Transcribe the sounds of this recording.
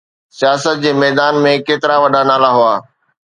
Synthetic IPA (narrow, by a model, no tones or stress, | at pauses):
sijaːsət̪̚d͡ʑeːmɛːd̪aːnmẽkeːt̪ɪɾaʋɐɗanaːlaɦʊaː